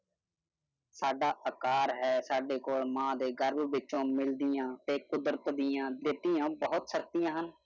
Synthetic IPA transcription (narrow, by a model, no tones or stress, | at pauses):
saːɖaːʔəkaːɾɦɛːsaːɖeːkoːlmãːd̪eːɡəɾbʋɪt͡ʃõːmɪld̪ɪjãːt̪eːkʊd̪ɾət̪d̪ɪjãːd̪ɪt̪ːɪjãːbəɦʊt̪səɾt̪ɪjãːɦən